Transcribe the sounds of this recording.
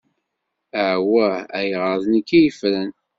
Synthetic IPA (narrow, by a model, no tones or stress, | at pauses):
əʕwææjʁəðˤnikːijəfɾæn